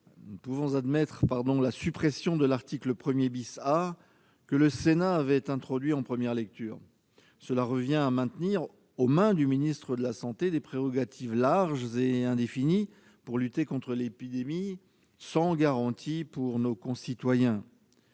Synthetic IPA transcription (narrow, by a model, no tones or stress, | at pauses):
nupuvɔ̃zad̪mɛt̪χpaʁd̪ɔ̃lasypχesjɔ̃d̪əlaʁt̪ikləpχəmjebisa | kələsenaːvɛt̪ɛ̃t̪χɔd̪ɥiɑ̃pχəmjɛʁlɛk̚t̪yːʁ | səlaʁəvjɛ̃amɛ̃t̪niʁ | omɛ̃d̪yminist̪χəd̪əlasɑ̃t̪ed̪epχeʁɔɡat̪ʰivlaʁʒzeɛ̃d̪efini | puʁlyt̪ekɔ̃t̪χəlepid̪emi | sɑ̃ɡaʁɑ̃t̪ʰipuʁnokɔ̃sit̪wajɛ̃